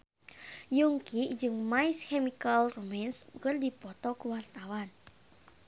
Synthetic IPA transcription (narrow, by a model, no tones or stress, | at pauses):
juŋkiʔd͡ʒɨŋmaiskɛmikalromɛnskərdipɔt̪ɔkuwart̪awan